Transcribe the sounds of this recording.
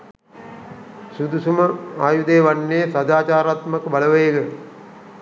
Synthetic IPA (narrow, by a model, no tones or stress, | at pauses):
sud̪usuməaːjud̪eːʋanːeːsad̪aːt͡ʃaːɾat̪məkəbaləʋəjeɡə